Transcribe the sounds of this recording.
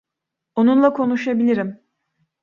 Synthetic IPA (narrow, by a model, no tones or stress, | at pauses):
onunlˠakʰo̞nuʃabilʲiɾim